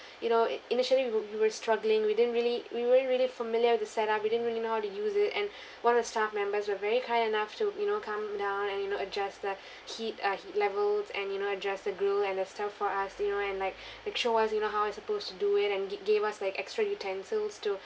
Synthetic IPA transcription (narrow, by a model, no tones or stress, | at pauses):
junoinɪʃəliwiwiwəstɹaɡlɪ̃ŋwidɪd̃ⁿn̩tɹiliwiwɛɹ̃nt̚ɹilifəmɪljəwɪðəsɛɾap̚widɪdən̩tɹilinohaʊtujuzɪtɛ̰̃n | wãnɔvðəstafmɛ̃mbəswəvɛɹikʰaɪdinaftujunokʰãmdãʊ̃nɛ̃njunoəd͡ʒɛsdə | hit̚ʌhitlɛvəlsɛ̃njunoəd͡ʒɛsd̪əɡɹəlɛ̃nəstaffɔasjunoɛ̃nlaɪk̚laɪkʃoasjunoɦaʊɪtsəpostuduɪtɛ̃nɡevaslaɪkɛkstɹajutʰɛ̃nsəlstu